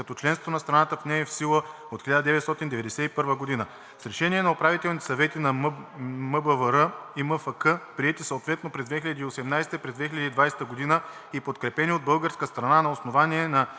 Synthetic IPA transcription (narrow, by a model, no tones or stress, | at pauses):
kɐt̪ɔt͡ʃlɛnst̪vonɐst̪ɾɐnat̪əfnɛɛfsilˠə | ot̪xilʎad̪əd̪ɛvɛt̪st̪ɔt̪ind̪ɛvɛd̪ɛsɛipɤɾvəɡod̪inə | sɾɛʃɛniɛnɐopɾavit̪ɛlˠnit̪ɛ̥sɐvɛt̪inɐ | məbəvəɾəiməfəkəpɾiɛt̪isəot̪vɛt̪nopɾɛzd̪vɛxilɐd̪iːosɛmnajsɛ̥t̪əpɾɛzd̪vɛxʲilʲɐd̪id̪vajsɛ̥t̪əɡod̪inə | ipot̪kɾɛpɛniod̪bɤlˠɡəɾskəst̪ɾɐnanɐosnovaniɛnɐ